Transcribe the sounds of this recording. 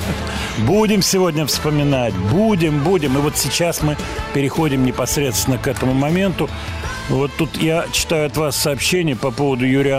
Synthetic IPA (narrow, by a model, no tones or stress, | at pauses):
budʲɪmsʲɪvo̞dʲnʲəfspəmʲɪnatʲbudʲɪmbudʲɪmɨvo̞t̪sʲɪt͡ɕasmɨ | pʲɪɾʲɪxo̞dʲɪmnʲɪpɐsɾʲe̞t̪st̪vʲɪnːəkɛt̪əmʊmɐmʲe̞nt̪ʊ | vo̞t̪ːut̪jat͡ɕːɪ̥t̪ajʊɐt̪vasːɐːpɕːenʲɪjəpɐpo̞vəd̪ʊjʉɾʲɪa